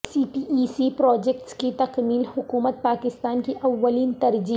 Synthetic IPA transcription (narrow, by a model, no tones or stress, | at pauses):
siːpiiːsipɾɔːd͡ʒɛk̚ʈskit̪ɐqmiːlhʊkuːmət̪̚paːkɪst̪aːnkiʔɐʋːəliːnt̪ɐɾd͡ʒiː